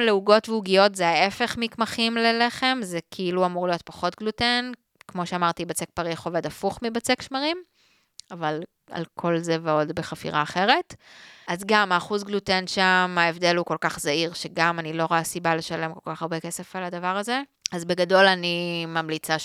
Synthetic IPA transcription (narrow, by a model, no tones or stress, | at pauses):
leuɡo̞tveuɡijo̞tzeaefe̞χmikmaχimlele̞χe̞mzekʰiiluamuʁlijo̞t̚paχo̞tɡluten | kmoʃeamaʁt̪ibat͡sek̚paʁiχo̞ve̞dafuχmibat͡se̞kʃmaʁim | aval | a̰lkʰo̞lzeveo̞dbeχafḭʁaːχe̞ʁe̞tazɡamaːχuzɡlutenʃamaevde̞lhuko̞lkaχzaiʁʃeɡamanilo̞ʁoasibale̞ʃale̞mko̞lkaχaʁbe̞ke̞sefalad̪avaʁaze̞ | azbe̞ɡado̞lanimamlit͡sa